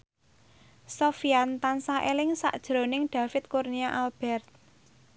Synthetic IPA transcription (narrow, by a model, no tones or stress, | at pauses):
sofiant̪ansaʔelɪŋsa̰ʔd̥ʒ̥ɾo̤nɪŋɖ̥ä̤fɪt̪̚kurniaʔalb̥ɛrt̪̚